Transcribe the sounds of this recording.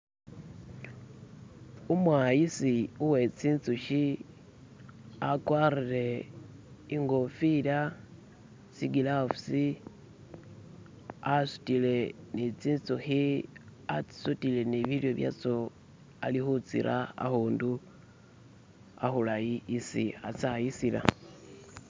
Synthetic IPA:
umwajisiuwe̞t͡siːnt͡suʃi | akwarile̞ | iŋɡo̞fila | siɡilafsi | asu̥tile̞nit͡siːnt͡suxiat͡si̥sutile̞niβiljo̞βja̰t͡so | a̰lixut͡sḭɾʔaa̰xuːndu | a̰xulajiːsḭat͡sajisila̰

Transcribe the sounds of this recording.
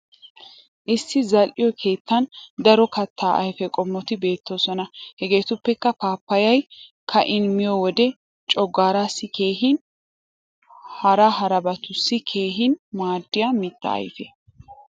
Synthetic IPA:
ʔɪsːɪzɐlʔɪjɔkʰe̞ːt̪ːɐnd̪ɐɾɔkɐt̪ʰːaːʔɐjfɛkʼɔmːɔt̪ɪbe̞ːt̪ːoːsɔnɐhɛɡe̞ːt̪ʊpːɛkːɐpaːpːɐjɐjkʰɐʔɪnmɪjɔwɔd̪ɛ | t͡ʃʼɔɡːaːɾasːɪke̞ːɦɪn | hɐɾɐɦɐɾɐbɐt̪ʊsːɪkʰe̞ːɦɪnmaːd̪ːɪjamɪt̪ːɐ̰ːjfɛ

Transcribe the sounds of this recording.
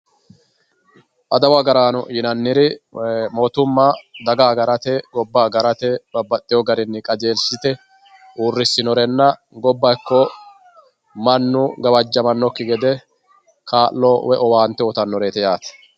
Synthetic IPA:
ʔɐd̪ɐwɐɡɐɾaːnʊjɪnɐnːɪɾɪmo̞ːt̪ʊmːad̪ɐɡaːɡɐɾɐt̪ɛɡɔbːaːɡɐɾɐt̪ɛb̥ɐbːɐt̪ʼːɪjɔɡɐɾɪnːɪkʼɐd͡ʒe̞ːlsɪt̪ɛ | uːrːɪsːɪnɔɾɛnːɐ | ɡɔbːɐkːɔ | mɐnːʊɡɐbɐd͡ʒːɐmɐnːɔkːɪɡɛd̪ɛ | kaːlːɔwɛʔɔwaːnt̪ːɛɔt̪ɐnːɔɾeːt̪ɛjaːt̪ɛ̥

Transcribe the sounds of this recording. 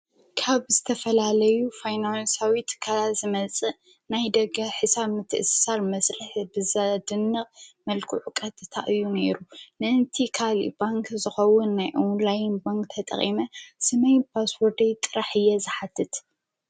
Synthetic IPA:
kʰaβzɨt̪ʰɐfɐlalɐjufajnansawit̪ʰɨ̥kʰalazɨmɐt͡sʼɨ | najd̪ɐɡɐħɨsaβmɨt̪ʰːɨʔɨssalmɐsɾɨħbɨzad̪ɨnːɐχmɐlkʰuʕukʼɐt̪ʼɨt̪ʰa̰ʔɨjːuneɾunɨʔɨnt̪ʰikʰalḭbaŋkʰzɨxɐwʊnːajʔonlajnbaŋkt̪ʰɐt̪ʼɐ̰χʼimɐsɨmɐjpʰaswɔɾd̪ɐjt̪ʼɨɾaħɨjːɛzɨħat̪ʰːɨt̪

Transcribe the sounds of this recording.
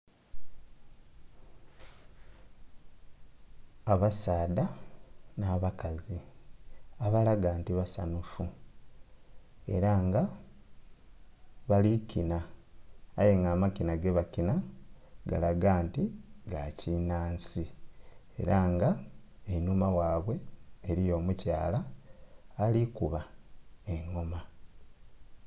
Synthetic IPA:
aβasaːdanaːβakazi | aβalaɡaːntiβasanufu | e̞̰ɾaŋɡa | βalikinaː | je̞ŋɡaːmakinaɡe̞βakinaɡa̰laɡaːntiɡacinaːnsi | e̞̰ɾaŋɡaenumawaːβwe̞ːɾijo̞ːmucaːlaː | likuβaeŋːoma

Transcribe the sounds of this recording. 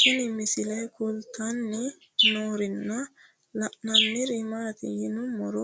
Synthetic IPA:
kinimisilajkʰult̪anːi | nɔɾinːa | lananːiɾimaːt̪ḭjinumːɔɾɔ

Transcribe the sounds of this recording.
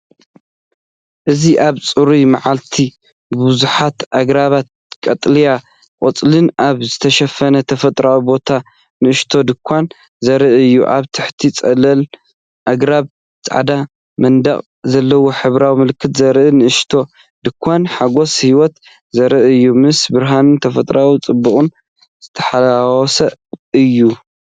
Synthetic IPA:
ʔɨziʔaβt͡sʼɨɾimaʕalt̪ʰi | ɨbuzuħat̪aɡɾaβat̪̚ | kʼɐt̪ʼlija | kʼot͡sʼlɨnʔaβzɨt̪ʰɐʃɐfɐnɐt̪ʰɐfɐt̪ʼɾawibo̞t̪ʰa | nɨɨʃt̪ʰo̞d̪ɨkʷʰːan | zɐɾɨʔɨjːuʔa̰βt̪ʰɨħt̪ʰit͡sʼɐlɐl | ʔaɡɾaβ | t͡sʼa̰ʕd̪a | mɐnd̪ɐχʼ | zɐlːɐwoħɨβɾawimɨlkʰːɨt̪zɐɾʔɨnɨʔɨʃt̪ʰo̞ | d̪ɨkʷʰːanħaɡo̞shiwɔt̪ | zɐɾɨʔɨjːumɨsbɨɾɦanɨnt̪ʰɐfɐt̪ʼɾawit͡sʼɨbːɨχʼʊn | z̥ɨt̪ʰɐ̥ħalawɔsɐɨjːu

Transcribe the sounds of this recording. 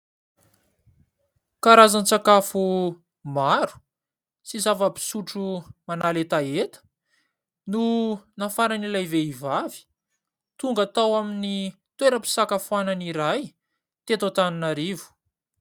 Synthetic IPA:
kaɾazant͡sakafu | maɾu̥ | sizavəpi̥suʈ͡ʂumanalet̪aet̪ə̥ | nunafaɾanilajveivavi̥ | t̪uŋɡat̪awaminit̪weɾəpi̥sakafuananiɾaj | t̪et̪ot̪anunaɾivu̥

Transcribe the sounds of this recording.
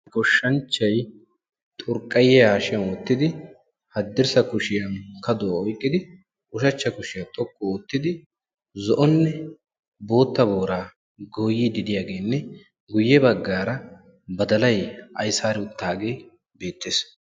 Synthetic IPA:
ɡɔʃːɐnt͡ʃːɐj | t̪ʼʊɾkʼːɐjɛaːʃɐnwɔt̪ːɪd̪ɪ | hɐd̪ːɪɾsɐkʊʃɪjɐnkɐd̪ɔɔjkʼːɪd̪ɪ | ʔʊʃɐt͡ʃːɐkʊʃɪjɐt̪ʼɔkʼːɔoːt̪ːɪd̪ɪ | zɔʔɔnːɛ | bo̞ːt̪ːɐboːɾaː | ɡojːɪd̪ɪd̪ɪjaːɡe̞ːnːɛ | ɡʊjːɛbɐɡːaːɾɐ | bɐd̪ɐlɐjɐ̰jsaːɾɪʊt̪ːaːɡe̞ː | be̞ːt̪ːeːs

